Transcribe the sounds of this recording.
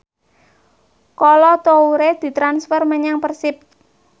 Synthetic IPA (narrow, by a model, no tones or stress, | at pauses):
kɔlɔt̪ouɾed̪̥i̤t̪ɾansfərməɲaŋpərsɪp̪̚